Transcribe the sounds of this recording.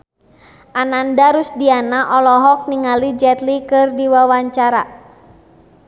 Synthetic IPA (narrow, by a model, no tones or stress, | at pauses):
ʔanandaɾusdianaʔɔlɔɦɔk̚niŋalid͡ʒɛt̪likɨrdiwawaɲt͡ʃaɾa̰